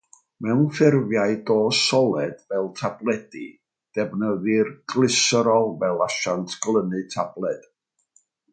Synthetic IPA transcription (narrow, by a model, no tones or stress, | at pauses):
mɛwnfɪrvjaɨdoːsɔlˠɛd̥vɛlˠtʰablˠɛdi | d̥ɛbnəðɨrɡlˠɪsɾɔlˠvɛlˠaʃantʰɡ̥lˠənɨtʰablˠɛd̥